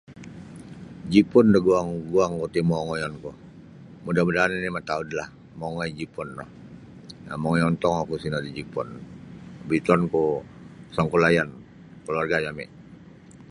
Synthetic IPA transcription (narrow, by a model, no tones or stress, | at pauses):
d͡ʒipʊndəɡuaŋɡuaŋkot̪imɔŋɔjɔnku | mudamudaninimat̪audlah | mɔŋɔjd͡ʒipɔnːɔh | amɔŋɔjɔnt̪ɔŋakusinadid͡ʒipɔn | bit̪ɔnku | saŋkulajan | kəluarɡajamɛ̰